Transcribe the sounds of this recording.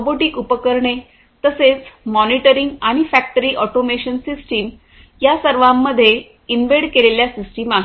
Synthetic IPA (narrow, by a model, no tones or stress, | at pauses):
boʈikupəkəɾɳe | t̪əset͡smɔniʈəɾiŋɡaɽ̃ifæk̚ʈəɾiːʔɔʈomeɕənsisʈiːm | jasəɾʋãmːəd̪ʱːje | inʋeɽkeleljasisʈimaɦ